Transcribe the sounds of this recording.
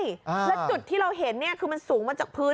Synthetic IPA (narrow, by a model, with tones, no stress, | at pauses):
jlɛ˦˥t͡ɕu˨˩t̪ʰːiː˥˩ɾa˧wɦe˩˦nːi˥˩ɐkʰɯː˧ma˧nsuː˩˦ŋmaː˧t͡ɕaː˨˩k̚pʰɯː˦˥